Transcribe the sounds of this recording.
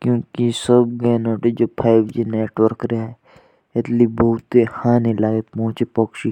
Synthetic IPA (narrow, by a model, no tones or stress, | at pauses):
kjõːkisəbɡɛːnoːʈed͡ʒoːpʰaːɪbd͡ʒineːʈwəɾkɾeaɛ | ɪt̪libəɦʊt̪ehãːnelaːɡepɔ̃ːt͡ʃepokʃi